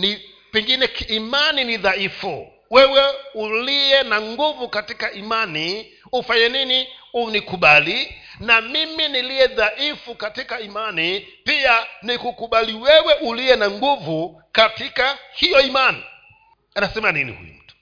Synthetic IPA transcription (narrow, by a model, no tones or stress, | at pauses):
ni | pɛŋɡinɛkːmaniniðaifṵ | wɛwɛuliɛnaŋɡuvukatikaimani | ufaɲɛniniunikuɓalinamiminilijɛðaʔifukatikaimanipianikukuɓaliwɛwɛʔuliɛnaŋɡuvu | katikahijɔimani | anasɛmaninḭhṵj̰um̩̰tu̥